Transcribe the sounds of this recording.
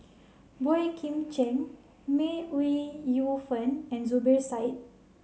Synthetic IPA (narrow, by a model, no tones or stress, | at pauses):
bɔjkʰĩmt͡ʃɛ̃n | meuijufə̃nɛ̃nzubɛɹsajt̚